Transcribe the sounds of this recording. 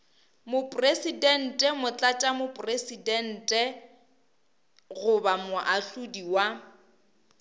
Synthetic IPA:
mʊpʼʊresidɛn̩tʼɛmʊt͡ɬʼat͡ʃʼamʊpʼresidɛn̩tʼɛ | ɣʊbamʊʔaɬʊdiwa

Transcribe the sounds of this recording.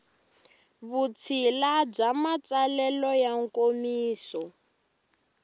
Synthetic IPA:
βut͡sʰilab͡ʐamat͡salɛlɔjaŋkomiːsɔ

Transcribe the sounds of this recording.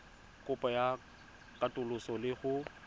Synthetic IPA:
kʼʊpʼɔja | kʼatʼʊlʊsɔlɪɣʊ

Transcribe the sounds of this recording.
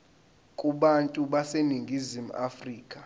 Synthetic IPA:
kʼuɓantʼuɓaseniŋɡʱizim̩a̰friːkʼḁ

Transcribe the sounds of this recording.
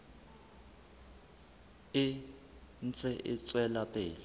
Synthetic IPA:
ɪ | n̩t͡sʰʼɛʔɪt͡sʼwɛlapʼɛːla

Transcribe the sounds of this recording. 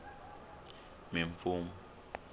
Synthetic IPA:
miɱfuːmu

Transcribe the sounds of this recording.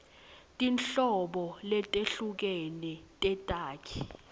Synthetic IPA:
tʼinɬɔɓɔlɛtʼeɬuk̬ɛnɛtʼɛtʼaːkʰi

